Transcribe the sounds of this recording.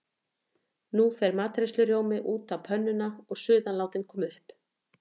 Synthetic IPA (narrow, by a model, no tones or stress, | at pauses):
nufɛɾmaːt̪ɾɪslʏɾjoːwmɪʔuːt̪awpʰœnːʏnaɔɣsʏːðanlaːwt̪ɪnkʰɔːmʏhp